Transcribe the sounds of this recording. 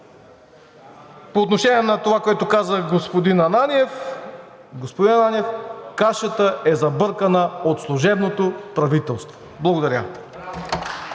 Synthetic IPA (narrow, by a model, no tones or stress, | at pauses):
poːt̪noʃɛniɛnɐt̪ovakoɛt̪okazəɡospod̪inɐnaniɛf | ɡospod̪inɐnaniɛfkaʃət̪əʔɛzɐbɤɾkənəot̪slˠuʒɛbnot̪opɾɐvit̪ɛlˠst̪vo̥ | blˠɐɡod̪ɐɾʲə̰